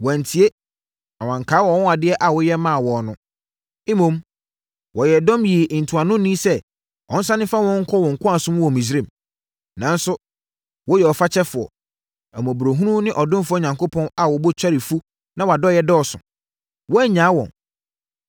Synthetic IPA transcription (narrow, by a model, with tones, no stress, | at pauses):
wɔ̃˨n˨tʰi˨e˦ | ã˨wã˨ŋ˨kʰaː˨˦wɔ˨˦ʊ̃˦a˨dɪ˦ɛ˦ʔa˨wɔ˨jɛ˦mã˦˨wɔ˨nʊ̃˦ | ɪ˦mõ˨m | wɔ˨jɛ˨dɔ̃˦mji˨ʔn̩˨tʰu˨a˨nʊ̃˦nĩ˦sɛ˦ | ɔ̰̃˨n̩˦sã˦nɪ̃˦fa˦wɔ̃˦ŋ̩˦kʰɔ˦wɔ̃˨ŋ̩˨kʰʷʊ̃˦a˨sʊ̃˦m˦wɔ˨mĩ˨s̬ɾẽ˦˨m | nã˨n˦sʊ˦ | wɔ˦jɛ˨ɔ˨fa˦t͡ɕʰɛ˦fʊ˨ɔ̰˨ | æ˨m˨ɔ̃˨bu˨ɾo˨ɦũ˦ɾũ˦nɪ̃˦ʔɔ˨dʊ̃˦mfʊ˦ɔ˦ɲã˨ŋko˦pʰɔ̃˦na˨wɔ˨bo˦t͡ɕᶣa˦ɾɪ˨fu˦ | nã˦wa˨dɔ˦jɛ˨dɔː˦˨sʊ̰̃˨ | wɔ˦æ˦ɲã˨˦wɔ̰̃˨n